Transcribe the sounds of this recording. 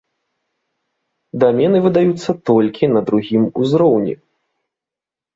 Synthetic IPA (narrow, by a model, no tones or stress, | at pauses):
d̪amʲɛnɨvɨd̪ajut̪sːɐt̪ɔlʲkʲinɐd̪ɾuɣʲimuzɾɔwnʲḭ